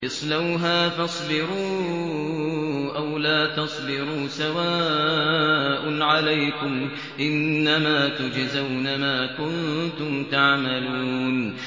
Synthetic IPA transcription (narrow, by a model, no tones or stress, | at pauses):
ʔɨsˤlawɦaːfɑsˤlɪɾuː | ʔawlaːt̪ɑsˤlɪɾuːsawaː | ʔʊnʕalajkʊm | ʔɪnːamaːt̪ʊd͡ʒzawnamaːkʊnt̪ʊmt̪aʕmaluːn